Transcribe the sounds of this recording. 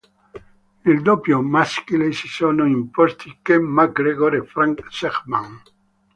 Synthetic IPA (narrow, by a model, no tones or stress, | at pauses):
neld̪opjomaskilesisoːnoimpɔst̪ʰikemaɡɾeɡɔɾefɾaŋkseχmaŋ